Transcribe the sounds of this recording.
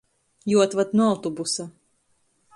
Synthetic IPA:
juɔt̪vat̪nuawt̪ɔbusa

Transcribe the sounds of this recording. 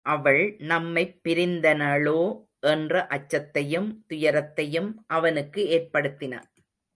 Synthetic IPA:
ʔɐʋɐɭnɐmːɐɪpːɪɾɪnd̪ɐnɐɭoː | ʔɛndrɐʔɐt͡ʃːɐt̪ːɐjɯmt̪ʊjɐɾɐt̪ːɐjɯmʔɐʋɐnɯkːɯeːrpɐɽɯt̪ːɪnɐ̰

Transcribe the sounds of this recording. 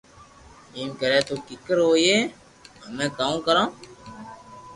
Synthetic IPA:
iːmkəɾɛːt̪oːkɪkːəɾɦoːjeː | əmẽːkaːũkəɾãː

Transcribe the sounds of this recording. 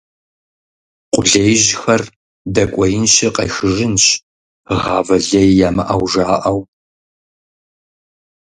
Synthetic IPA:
qʷʊɮejʑxɐr | dɐkʷʼɔjɪnɕɪqɐjxɨʒɪnɕ | ʁɑːvɐɮɐjjaːmɨʔɐwʐaːʔɐw

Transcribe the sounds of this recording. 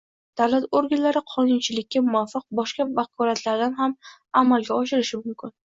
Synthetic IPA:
d̪̥awlat̪oɾɡʲanlaɾɪqʰɒnʊnt͡ʃʰɪlɪkʲːamʊafːɑq̚bɒʃkabakʰɒɾat̪laɾd̪anɦam | amalɡʲaɒʃɪɾɪʃɪmʊmkʲɪn

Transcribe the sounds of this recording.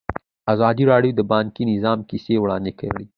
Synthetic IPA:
azɑd̪iɾɑɽjod̪əbɑŋkinɪzɑmkisewɽɑnd̪eka̰ɽi

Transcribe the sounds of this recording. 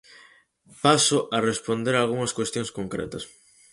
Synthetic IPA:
pasʊʔɐrespond̪eɾaːlɣuŋɐskwest̪joŋskoŋkɾḛt̪ɐs

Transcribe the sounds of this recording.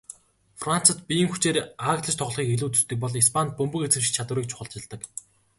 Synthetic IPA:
fran̥t͡sə̆t̪pʲijɘ̆ŋxu̥t͡ɕeːɾaːkt̪ɮə̆t͡ɕt̪ʰɔχɮχiːkeɮuːt̪ɵ̥st̪ɘ̆k̚pɔɮispʰant̪̚pɵmpɵ̆ket͡sɘ̆m̆t͡ɕʰat̪w̆ɾiːk̚t͡ɕʰʊ̥χə̆ɮt͡ɕɪ̆ɮt̪ə̆k

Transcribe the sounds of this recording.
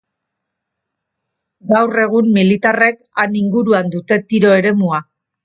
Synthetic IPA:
ɡawre̞ɣ̞umːilit̪are̞k | aniŋɡuɾuand̪ut̪e̞t̪iɾo̞e̞ɾe̞mua

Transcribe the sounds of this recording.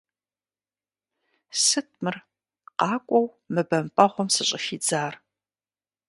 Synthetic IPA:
sɨt̚ʰmɨr | qɑːkʷʼɔw | mɨbɐmpʼɐʁʷɔmsɨɕʼɪʃiːd͡zaːr

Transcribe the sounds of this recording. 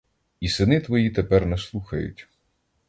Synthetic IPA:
isɪnɪt̪ʋɔjit̪epɛrnɛslˠuxɐjʊ̰tʲ

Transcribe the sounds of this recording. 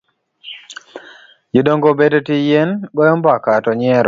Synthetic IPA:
jodoŋɡobedotijenɡɔjɔmbakatɔɲɪɛɾ

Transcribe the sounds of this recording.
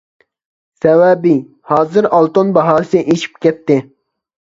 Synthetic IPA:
sɛwæbi | hɑːzɨɾɑlˠt̪onbɑɦɑːsɪʔeʃi̥p̚kʲɛt̪ːɪ

